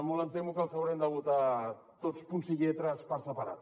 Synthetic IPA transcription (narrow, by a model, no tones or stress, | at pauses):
molant̪emukalsawɾend̪aɣut̪a | t̪ot̪spunsiɣet̪ɾaspaɾsapaɾa̰t̪